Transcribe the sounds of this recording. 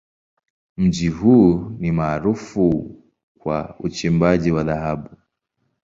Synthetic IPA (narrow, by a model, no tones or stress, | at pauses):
m̩d͡ʒiɦuːnimaːɾufu | kwa̰ut͡ʃimbad͡ʒiwaðaɦabu